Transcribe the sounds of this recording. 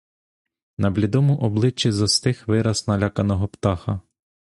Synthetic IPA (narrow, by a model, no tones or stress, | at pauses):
nɐblʲid̪ɔmʊʔɔblˠɪt͡ʃːizɔst̪ɪxʋɪɾɐsnɐlʲakɐnɔɦɔpt̪ɑxɐ